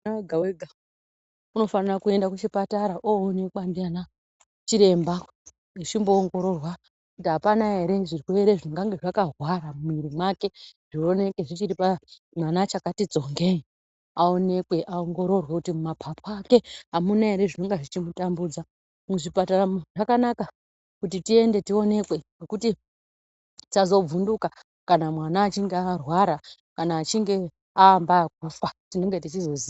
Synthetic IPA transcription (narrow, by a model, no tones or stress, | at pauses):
naweɡʱaweɡʱa | uno̞fanirakue̞ndakut͡ʃipataɾaʔoːne̞kwandiana | t͡ʃiɾe̞mba | it͡ʃimbo̞ːŋɡo̞ɾo̞rwa | kutiɦapanaɦe̞ɾe̞ʐirweɾeʐinoŋɡaŋɡeʐakaɦwaɾamumiɾimwake̞ʐ̥io̞ne̞ke̞ʐit͡ʃiɾipa | mwanat͡ʃakatid͡zo̞ŋɡe̞i | ao̞ne̞kwe̞ʔaoŋɡo̞ɾo̞rwekutimumapʰapʰoake̞ɦamunaeɾe̞ʐinoŋɡeʐit͡ʃimutambud͡za | muʐipataraʐ̥akanaka | kutitie̞nde̞tio̞ne̞kwe̞ʐekuti | tazo̞b͡vunduka | kanamwanaːt͡ʃiŋɡearwaɾa | kanaːt͡ʃiŋɡe̞ | aːmbaak̚ufatine̞ŋɡe̞tit͡ʃizo̞ziːa